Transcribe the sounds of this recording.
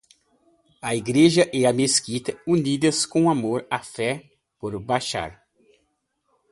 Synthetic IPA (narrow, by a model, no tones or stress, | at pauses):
ɐiɡɾeʒɐʔɛɐmeskit̪ɐunid̪ɐskõamoɾafɛ | poɾbajʃa̰ɾ